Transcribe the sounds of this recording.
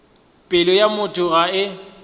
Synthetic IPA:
pʼɪlɔjamʊtʼʊɣaɪ

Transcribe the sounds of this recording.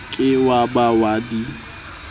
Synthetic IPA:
kʼɪwabawadi

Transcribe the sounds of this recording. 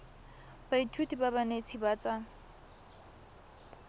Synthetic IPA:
baitʰutʼibabanet͡sʰibaːt͡sʼa

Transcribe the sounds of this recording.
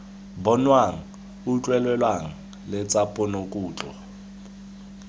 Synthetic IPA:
bɔnwaŋ̩ | ut͡ɬʼwɛlwɛlwaŋ̩ | lɛt͡sʼapʼɔnokʼuːt͡ɬɔ̰

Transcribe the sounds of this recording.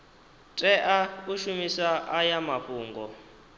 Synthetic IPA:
tʼɛʔauʃumisaʔajamaɸʼuːŋɡɔ

